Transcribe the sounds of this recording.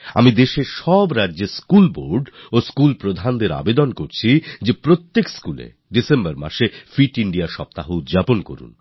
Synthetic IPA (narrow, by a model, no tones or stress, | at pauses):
a̰mid̪eʃeɾʃɔbɾadːʑeskulboɾɖoskulpɾod̪ʱand̪eɾa̰bed̪onkoɾt͡ɕʰid͡ʑepɾot̪ːekskulḛ | ɖisembaɾma̰ʃefiʈiɳɖiaʃɔp̚t̪aɦoud̪d͡ʑaponko̰ɾṵn